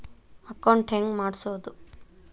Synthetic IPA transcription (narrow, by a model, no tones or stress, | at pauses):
ɐkɐwɳʈeŋɡmaːɖsoːd̪u